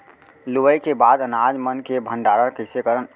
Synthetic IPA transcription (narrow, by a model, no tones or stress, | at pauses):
luʋəjkebad̪ənad͡ʒmənkebʱə̃ɳɖaːɾəɾkəɪsekəɾən